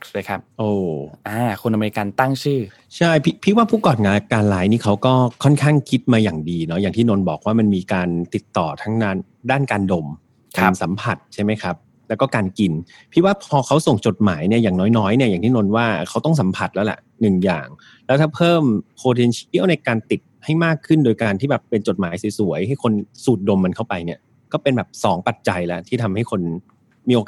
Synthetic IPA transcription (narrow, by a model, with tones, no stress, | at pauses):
kʰa˦˥p̚ʔoː˧˩ʔaː˧˩kʰu˧nʔa˧me˧i˧ka˧nt̪a˥˩ŋt͡ɕʰɯː˥˩ | t͡ɕʰa˥˩jpʰi˦˥pʰi˦˥t̪̚waː˥˩pʰuː˥˩kɔː˨˩t̪̚ŋaː˧lkaː˧nlaː˦˥jniː˥˩kʰa˦˥wkɔː˥˩kʰɔ˥˩nkʰaː˥˩ŋkʰi˦˥t̪̚maː˧jaː˨˩ŋdiː˧nɔ˦˥jaː˨˩ŋt̪ʰiː˥˩no˧nbɔ̰ː˨˩k̚waː˥˩ma˧nmiː˧kaː˧nt̪i˨˩t̪ːɔː˨˩t̪ʰa˦˥ŋdaː˥˩n | daː˥˩nkaː˧ndo˧m | kʰaa˧msa˩˦mpʰa˨˩t̪̚t͡ɕʰa˥˩jma˦˥jkʰa˦˥p̚ | lɛː˦˥kɔː˥˩kaː˧nki˧n | pʰi˦˥t̪̚waː˥˩pʰɔː˧kʰa˦˥wso˨˩ŋt͡ɕo˨˩t̪̚maː˩˦jni˥˩ɐjaː˨˩ŋnɔː˦˥jnɔː˦˥jni˥˩ɐjaː˨˩ŋt̪iː˥˩no˧nwaː˥˩kʰa˦˥wt̪ɔ˥˩ŋsa˩˦mpʰa˨˩t̪̚lɛ˦˥lɛ̰˨˩ʔnɯ˨˩ŋja̰ː˨˩ŋ | lɛ˦˥wt̪ʰaː˥˩pʰɤː˥˩mpʰoː˧t̪ʰe˧nt͡ɕʰi˥ə˩wna˧jkaː˧nt̪i˨˩t̪̚ha˥˩jmaː˥˩kʰːɯ˥˩ndoː˧jkaː˧nt̪ʰiː˥˩bɛː˨˩pːe˧nt͡ɕo˨˩t̪̚maː˩˦jsi˩˦su˨˩˦əjha˥˩jkʰo˧nsuː˨˩t̪̚do˧mːa˧nkʰa˥˩wpa˧jni˥˩ɐ | kɔː˥˩pe˧nbɛː˨˩p̚sɔː˩˦ŋpa˨˩t̪̚t͡ɕa˧jlɛ˦˥t̪ʰiː˥˩t̪ʰa˧mha˥˩jkʰo˧n | miː˧ʔo˧k